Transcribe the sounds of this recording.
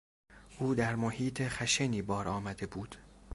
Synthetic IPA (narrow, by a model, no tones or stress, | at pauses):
ʔuːd̪æɾmohiːt̪ʰeχæʃeniːbɒːɾɒːmæd̪e̞buːd̪̥